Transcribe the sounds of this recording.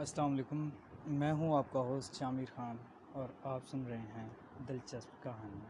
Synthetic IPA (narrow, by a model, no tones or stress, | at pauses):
ɐslaːmɐleːkʊmːɛ̃ːɦũaːp̚kaɦoːst̪ʃaːmiːɾxaːn | ɔːɾaːpsʊnɾɐɦeɦɛ̃ | d̪ɪlt͡ʃɐspkaːɦən